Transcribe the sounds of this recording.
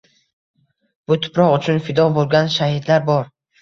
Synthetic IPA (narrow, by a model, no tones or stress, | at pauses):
b̥ʊt̪ʰʊ̥pʰɾɒʁʊt͡ʃʰʊnfɪd̪ɒbolˠɡʲanʃahid̪laɾbɒɾ